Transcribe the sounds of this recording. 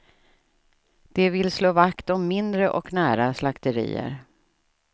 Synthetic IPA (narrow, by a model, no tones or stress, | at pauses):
d̪̥ɛvɪlsloːvakt̪ɔmːɪnd̪ɾəʔɔknæːɾaslakt̪əɾḭːə̰ɾ